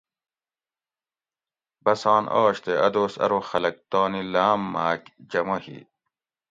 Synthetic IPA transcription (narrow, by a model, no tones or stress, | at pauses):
bɐsɑ̃ːnʔɔːɕt̪eɐ̰d̪oːsɐ̰ɾoxɐlɐk̚t̪ɔːnilaːmːaːkd͡ʑɐmohḭː